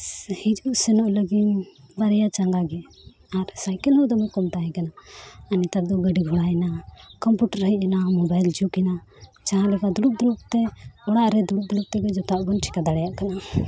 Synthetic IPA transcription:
hid͡ʒuʔsɛnɔʔləɡinbaɾɛjat͡ʃaŋɡaɡɛ | aɾsajkɛlɦɔd̪ɔmukɔmt̪aɦɛ̃kanaənit̪aɾ̚d̪ɔɡəɖiɡʱɔɽaɛnakɔmpjuʈəɾəɦiʔɛnamɔbajld͡ʒukɛna | t͡ʃaɦãlɛkad̪uluk̚d̪uluk̚t̪ɛɔɽaʔɾɛd̪uluk̚d̪ulup̚t̪ɛɡɛd͡ʒɔt̪aʔɡɔnʈʰi̥kad̪aɽɛjaʔkana

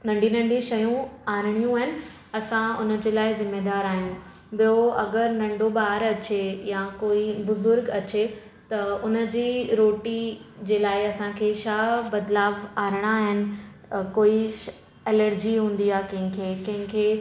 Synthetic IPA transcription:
nɐ̃ɳɖĩnɐ̃ɳɖĩʃɐjũaːɾɪɽ̃ijũaːɦɪnɪ̆ | ɐsãʊnə̆d͡ʑeːlaːɪzɪmːeːd̪aːɾaːɦijũ | bijoɐɡəɾnɐ̃ɳɖoɓaːɾɐt͡ɕejãkoːibʊzʊɾɡɐt͡ɕe | t̪ɐʊnə̆d͡ʑiːɾoːʈid͡ʑeːlaːɪɐsãkʰeːʃaːbɐd̪laːʋaːɾɪɽ̃aːɦɪnɪ̆ | koːi | ɛːləɾd͡ʑiɦũːn̆d̪iaːkɐ̃ɦɪ̃kʰeːkɐ̃ɦɪ̃kʰeː

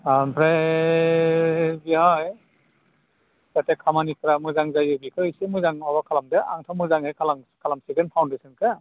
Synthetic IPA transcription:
apʰɾe | biɔj | satekʰamanipʰɾamɯzaŋzajɯbikʰɯsemɯzaŋabakʰalamdea̰ŋtʰamɯzaŋhekʰalaŋkʰalamsiɡenpʰawndesɯnkʰɯ

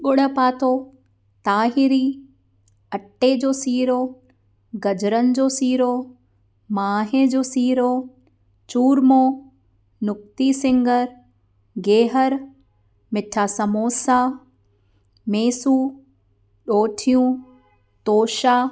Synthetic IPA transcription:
ɠʊɽəpaːt̪ʰo | t̪aːɦɪɾi | ɐʈːed͡ʑoːsiːɾo | ɡɐd͡ʑɾənɪ̆d͡ʑoːsiːɾo | maːɦed͡ʑoːsiːɾo | t͡ɕuːɾmoː | nʊk̚t̪isɪ̃ŋɡəɾ | ɡeːɦəɾ | mɪʈʰasɐmoːsaː | meːsu | ɗoːʈʰijũ | t̪oːʃaː

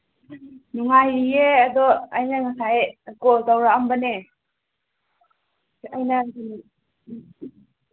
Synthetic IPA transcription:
nuŋajiead̪ɔajnaŋasaeɡɔldawɾaambane | ajnain

